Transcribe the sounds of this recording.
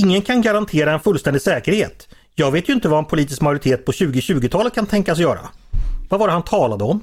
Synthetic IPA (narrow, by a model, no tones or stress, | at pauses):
ɪŋːənkʰanɡaɾant̪ʰeːɾaɛnfɵlːst̪ɛnd̪ɪsɛːkəɾhḛːt̪ | jɑːɡveːt̪jɵɪnt̪əvaɛnpʰʊliːt̪ɪskmajʊɾɪt̪ʰeːt̪̚pʰɔɕʉ̟ːɡɪɕʉ̟ːɡɪt̪ʰɑːlət̪̚kʰant̪ʰɛŋkas̬jœːɾa̰vavaːɾhant̪ʰɑːlad̪əɔm